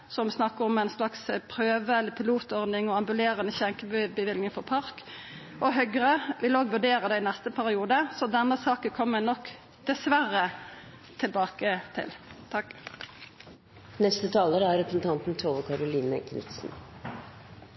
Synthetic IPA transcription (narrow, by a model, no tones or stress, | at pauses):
sɔmsnɑkːəɾɔmæɪnslɑkspʰɾøːʋəɛlːəpʰɪluːt̪ɔʁd̪ɪŋɔɑmbʉleːʁənəçɛŋkəbbəʋɪlnɪŋfɔpʰɑɾk | ʔɔɦœɡʁəʋɪloːɡʋʉɖeːɾəd̪ɛɪnɛst̪əpʰæɾɪuːd̪əsɔd̪ɛnːəsɑːkəkʰɔmːənɔkː | d̪̥ɛsʋæɾə | t̪ʰɪlbɑːkət̪ʰɪ̰lt̪ʰɑk | nɛst̪ət̪ʰɑːləɾəæɾɾɛpɾəsn̩t̪ʰɑnt̪n̩t̪ʰoːʋəkʰɑɾʊliːnə̰kʰnɪ̰t̪sn̩